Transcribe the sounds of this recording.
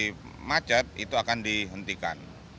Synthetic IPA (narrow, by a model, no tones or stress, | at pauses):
mḁd͡ʒat̪̚ḭt̪uakandiɦənt̪ika̰n